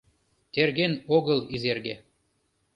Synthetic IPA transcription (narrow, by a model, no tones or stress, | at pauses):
t̪erɣenoɣəlizerɣḛ